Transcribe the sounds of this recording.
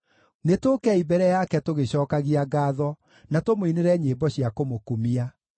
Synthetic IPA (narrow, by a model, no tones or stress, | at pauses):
netokɛibɛɾɛjakɛtoɣeɕɔːkaɣiaɡaːðɔ | natomoineɾɛɲeːbɔɕiakomokumia